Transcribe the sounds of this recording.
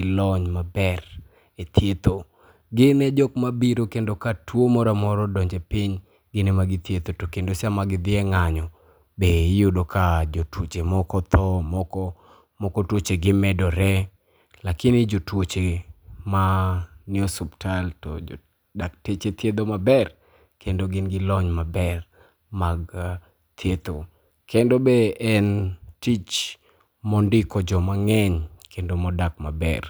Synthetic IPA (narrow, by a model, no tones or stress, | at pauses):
lɔɲmabɛr | et̪ʰjet̪o | ɡɪnɛd͡ʒɔk̚mabiɾokendokatwomɔɾamɔɾɔdɔɲd͡ʒepɪɲ | ɡɪnɛmaɡɪt̪jet̪otokendosamaɡɪd̪ɪɛŋaɲɔ | bejʊdokʰad͡ʒotwot͡ʃemɔkɔt̪ɔmɔkɔ | mɔkɔtwot͡ʃeɡɪmɛdɔɾɛ | lakɪnɪd͡ʒotwot͡ʃemanɪɔsubtʰaltɔ̰d͡ʒ̰ | daktet͡ʃet̪jed̪omabɛr | kendoɡɪnɡɪlɔɲmabɛr | maɡ | t̪ʰjed̪o | kendobeɛntit͡ʃ | mɔndɪkɔd͡ʒɔmaŋɛɲkʰendomɔdak̚mabɛ̰r